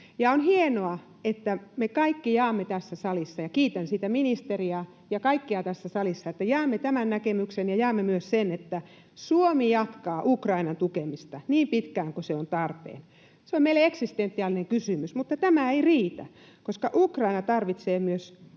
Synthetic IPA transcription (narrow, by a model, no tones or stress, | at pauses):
jɑonhienoɑ | et̪ːæmekɑikːijɑːmːet̪æsːæsɑlisːɑjɑkiːt̪ænsiːt̪æminist̪eriɑ | jɑkɑikːiɑt̪æsːæsɑlisːɑet̪ːæjɑːmːet̪æmænnækemyksenjɑjɑːmːemyøssenet̪ːæ | suomijɑt̪kɑːʔukrɑinɑnt̪ukemist̪ɑniːmpit̪kæːŋkoseont̪ɑrpḛːn | seomeileeksist̪ent̪ːiɑlːineŋkysymysmut̪ːɑt̪æmæeiriːt̪æ̰ | koskɑʔukrɑinɑt̪ɑrʋit̪seːmyøs